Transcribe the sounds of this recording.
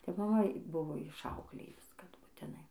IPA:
tɐɪ mɐˈmɐ ˈbʊʋoː ɪʃˈɐʊklʲeːjʊs kɐt bʊtʲɪˈnɐɪ

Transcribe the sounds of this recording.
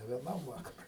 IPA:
nʲɛ ʋʲiɛˈnɐm ˈʋɑːkɐrʊɪ

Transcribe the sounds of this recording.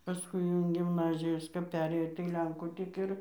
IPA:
pɐˈskʊɪ jɛʊ ɪn ɡʲɪmˈnɑːzʲɪjoːs kɐp ˈpʲæːrʲeːjoː tɐɪ ˈlʲɛŋkuː tʲɪk ˈɪr

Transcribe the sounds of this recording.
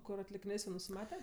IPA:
ˈkʊr ɐtʲlʲɪkʲɪˈnʲeːs jɛʊ nʊsʲɪˈmɑːtʲɛ

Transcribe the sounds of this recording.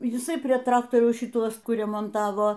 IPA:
jɪˈsɐɪ pʲrʲiɛ ˈtrɑːktoːrʲɛʊs ʃʲɪˈtuɔs ˈkʊr rʲɛmoːnˈtɑːʋoː

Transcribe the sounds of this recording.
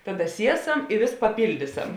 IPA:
ˈtɑːˌdɐ ˈsʲiɛˌsɐm ɪ ʋʲeːs pɐˈpʲɪlʲdʲiːˌsɐm

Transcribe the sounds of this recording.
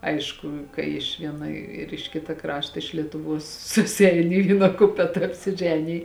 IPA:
ˈɐɪʃkʊ kɐɪ ɪʃ ˈʋʲiɛnɐ ɪr ɪʃ ˈkʲɪtɐ ˈkrɑːʃtɐ ɪʃ lʲiɛtʊˈʋuɔs sʊsʲɪˈɛɪn ɪ ˈʋʲiːnɐ ˈkʊpʲɛtɐ ɐpʲsʲɪˈʒʲæːnʲɪj

